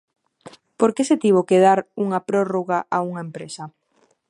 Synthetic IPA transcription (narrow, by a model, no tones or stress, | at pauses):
poɾkeset̪iβ̞okeðaɾuŋapɾoroɣaʔauŋaempɾesa